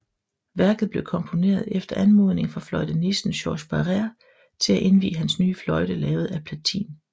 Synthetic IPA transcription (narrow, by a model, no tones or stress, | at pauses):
ʋæɐɡ̥ð̞̩ˠb̥le̝ʊkʰɒ̽mpʰo̝ne̝̰ːɐð̞ˠefd̥ɐʔænmo̝ð̞ˠne̝ŋfʁɑ̈flɒ̽ɪd̥ənisn̩ɕɒːɕb̥ɑʁeɐ | t͡sʰe̝læʔe̝nʋḭːɦænsnyːəflɒ̽ɪd̥əlɛːʊð̩ˠæpʰlæt͡sʰḭːn